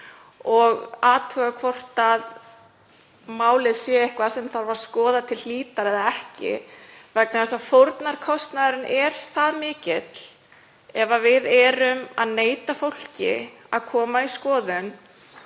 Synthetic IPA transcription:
ɔɣaːt̪œːɣakʰvɔr̥t̪að | maːwlɪðsjɛɛhkvasɛmθaɾvaɾ̥skɔːðat̪ʰɪlliːt̪aɾɛðaɛhcɪ̰vɛknaθɛsafowɾt̪naɾ̥kʰɔst̪naðʏɾɪnʔɛɾ̥θaðmɪːcɪt̪l | ɛvavɪðɛːɾʏmaðneːjt̪afowl̥cɪ̰a̰ðkʰɔːmaiskɔːðʏn

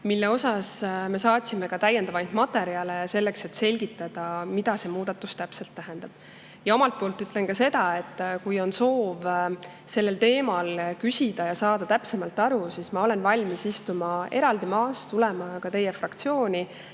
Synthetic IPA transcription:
milːe̞o̞sɑsme̞sɑːt̪ʲsimekɑt̪æjːend̪ɑvɑjnd̪̥mɑt̪ːˑe̞ɾiɑlese̞lːe̞kse̞t̪ːse̞lʲɡ̥it̪ːˑɑd̪̥ɑmid̪̥ɑse̞muːd̪̥ɑt̪ːˑust̪æpse̞lt̪ːæɦend̪̥ɑb̥ | jɑo̞mɑlt̪̚po̞ːlt̪ːˑyt̪ːlenkɑse̞d̪̥ɑe̞t̪ːˑkujo̞nso̞ːv | se̞lːe̞lt̪e̞ːmɑlkysʲid̪̥ɑjɑsɑːd̪̥ɑt̪æpse̞mɑlt̪ːˑɑɾusismɑo̞le̞nvɑlʲmisist̪umɑe̞ɾɑld̪imɑːst̪ulɛmɑkɑt̪e̞jefrɑkt̪sio̞ːnʲi

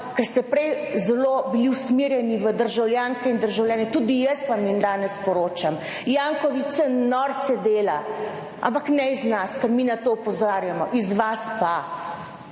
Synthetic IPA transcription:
kɛɾst̪ɛpɾɛjzɛlobiliwsmiɾjɛniʋəd̪əɾʒawlʲjaːŋkɛind̪əɾʒawljaːnɛt̪uːd̪ijəsʋamjind̪aːnɛspɔɾoːt͡ʃam | jaːŋkɔʋisɛnɔɾt̪sɛd̪eːla | ʔa̰mpaknɛiznaskɐɾminat̪oːɔpɔzaːɾjamɔʔizʋaspa

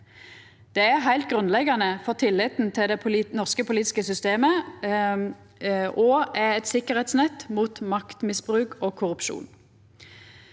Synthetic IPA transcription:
d̪̥ɛæʁɦæɪlt̪̚ɡʁʉnlɛɡɑnəfɔʁt̪ʰɪlːɪt̪nt̪ʰɪld̪ɛʊnɔʁskəpʊliːt̪ɪskəsʏst̪eːmə | ʔɔɛɛt̪sɪkːəʁɛːt̪snɛt̪ːmuːt̪mɑkt̪mɪsbʁʉːkʰoːkʰʊʁʉpʃṵːn

